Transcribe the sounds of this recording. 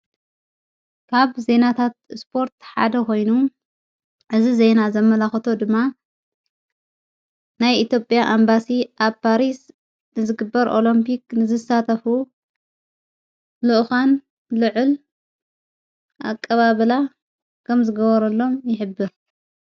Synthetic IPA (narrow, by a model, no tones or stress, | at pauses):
kʰaβze̞nat̪ʰat̪̚spʰo̞ɾt̪ħa̰d̪ɐko̞jnu | ʔɨzize̞nazɐmːɐlaxɐt̪ʰo̞d̪ɨmːa | najʔit̪jo̞pʼːjaʔambasiʔaβpʰaɾis | nɨzɨɡɨbːɐɾʔo̞̰lɐmpʰiknɨzɨsat̪ʰɐfu | lɨʔxan | lɨʕɨl | ʔa̰kʼːɐβaβɨla | kʰɐmzɨɡɐβɐɾɐlːo̞mjɪħɨbːɨɾ